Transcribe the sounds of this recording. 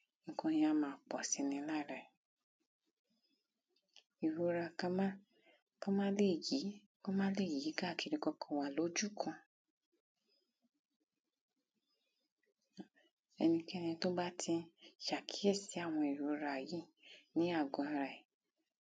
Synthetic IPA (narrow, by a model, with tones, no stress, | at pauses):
ŋ̩˦kɔ̃˧˦ja˧˦mãː˨˦˨k͡pɔ˨sĩ˨˧˦nĩ˧˦la˦˨ɾa˨i˨ | i˨ɾo˨˦ɾa˧˨ka˧mã˦ | kɔ˦mã˦le˦˨ji˨˦ | kɔ˦mã˦le˦˨ji˨˦ɡa˦˨ki˧ɾi˧kɔ˧kɔ̃˧wa˨lo˨˦d͡ʒu˦˨kʰɔ̃˧ | ɛ˧nĩ˧kɛ˦˧nĩ˧to˦ba˦tʰi˧ʃa˨kʰi˦e˦˨si˨˦a˦˨w̃ɔ̃˧i˨ɾo˨˦ɾa˧˨ji˦ | nĩ˨˦a˦˨ɡɔ̃˨˧a˧ɾa˧i˨